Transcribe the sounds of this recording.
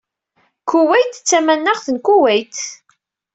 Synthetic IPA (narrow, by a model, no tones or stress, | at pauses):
kuwæjt̪t͡sːæmænːæʁθənkʷuwæjt̪